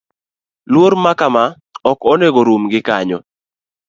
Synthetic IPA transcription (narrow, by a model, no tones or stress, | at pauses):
lwoɾmakama | ɔkɔneɡoɾumɡɪkaɲɔ